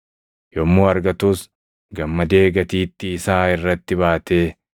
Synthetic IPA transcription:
jɔmːuːɐɾɡɐt̪uːs | ɡɐmːɐd̪e̞ːɡɐt̪iːt̪ːɪːsaːɪrːɐt̪ːɪbaːt̪e̞ː

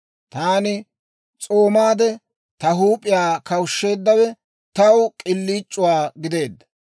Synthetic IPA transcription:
t̪aːnɪ | t͡sʼo̞ːmaːd̪ɛ | t̪ɐɦuːpʼːɪjaːkɐwʃːe̞ːd̪ːɐwɛ | t̪ɐwkʼɪlːiːt͡ʃʼːʊwaːɡɪd̪e̞ːd̪ːɐ

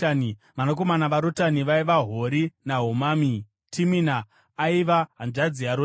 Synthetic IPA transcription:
ni | ʋanak̬o̞manaʋaɾotaniʋaiʋaɦoɾinaɦumaːmi | tʰiminaː | iʋaɦanʐad͡ziaɾo

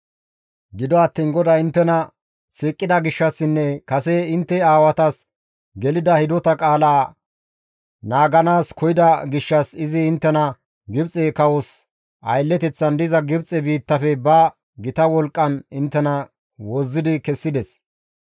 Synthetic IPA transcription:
ɡɪd̪ɔɐt̪ːiːnɡɔd̪ɐɪnt̪ːɛnɐ | siːkʼːɪd̪ɐɡɪʃːɐsːɪnːɛkɐsɛɪnt̪ːɛaːwɐt̪ɐs | ɡɛlɪd̪ɐhɪd̪ɔt̪ɐkʼaːlaː | naːɡɐnaːskʰɔjɪd̪ɐɡɪʃːɐsɪzɪːnt̪ːɛnɐ | ɡɪbt͡sʼekɐwɔs | ʔɐ̰jlːɛt̪ɛt͡sːɐnd̪ɪzɐɡɪbt͡sʼɛbiːt̪ːɐfɛbɐ | ɡɪt̪ɐwɔlkʼːɐnɪnt̪ːɛnɐ | wɔzːɪd̪ɪkɛsːɪd̪ɛs

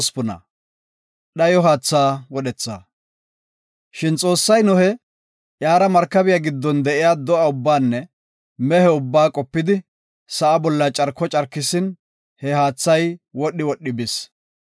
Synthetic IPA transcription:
spʊnɐ̰ | ɗɐjɔɦaːt͡sːaːwɔɗɛt͡sːa̰ | ʃɪnt͡sʼo̞ːsːɐjnʊhɛ | ʔjaːɾɐmɐɾkːɐbɪjaɡɪd̪ːɔnd̪ɛʔɪjaːd̪ɔʔɐʊbːaːnːɛ | mɛhɛʊbːaːkʼɔpːɪd̪ɪ | sɐʔɐbɔlːɐt͡ʃʼɐɾkːɔt͡ʃʼɐɾkːɪsɪn | hɛɦaːt͡sːɐjwɔɗːɪwɔɗːɪbɪs

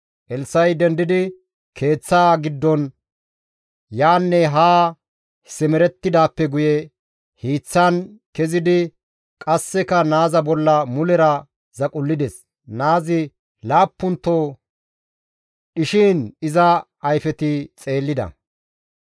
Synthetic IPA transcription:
ʔɛlsɐjd̪ɛnd̪ɪd̪ɪ | kʰe̞ːt͡sːaːɡɪd̪ːɔn | jaːnːɛɦaː | sɛmɛɾɛt̪ːɪd̪aːpːɛɡʊjɛ | hiːt͡sːɐnkɛzɪd̪ɪ | kʼɐsːɛkɐnaːzɐbɔlːɐmʊlɛɾɐ | zɐkʼʊlːɪd̪ɛs | naːzɪ | laːpːʊnt̪ːoː | ʔɪʃiːnɪzɐ | ɐjfɛt̪ɪt͡sʼe̞ːlːɪd̪ɐ̰

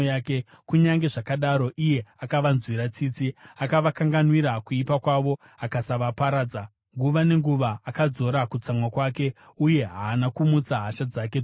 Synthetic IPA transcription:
jaːke̞ | kuɲaŋɡe̞ʐakaɗaɾo̞ʔije̞akaʋanzwiɾat͡siːt͡siakaʋakaŋɡanwiɾakuipakwaʋo̞ | akasaʋapaɾaːd͡za | ŋɡuʋane̞ŋɡuʋaːkad͡zo̞ɾakut͡samwakwaːke̞ | uje̞ɦaːnakumut͡saɦaʃad͡zake

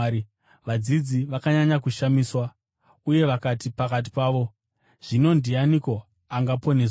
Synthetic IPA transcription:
ʋad͡zid͡ziʋakaɲaɲakuʃamiːswa | uje̞ʋakatipakat̬i̥paːʋo̞ | ʐ̥ino̞ndianiko̞ | aŋɡapo̞nes

